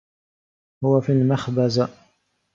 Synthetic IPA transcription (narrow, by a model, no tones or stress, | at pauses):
hʊwafiːlmaxbaz